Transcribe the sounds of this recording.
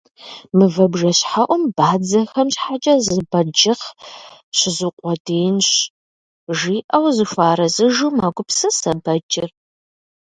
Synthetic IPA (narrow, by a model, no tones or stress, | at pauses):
mɨvɐbʒɐɕħaʔʷɔmb̥aːd͡zɐxɐmɕħat͡ʃʼɐzɨbɐd͡ʒɪχ | ɕɪzɨqʷʼɔdijnɕ | ʒiːʔɐwzɨfʷaːɾɐzɨʒumaːɡʷʊpsɐsɐbɐd͡ʒʼɪr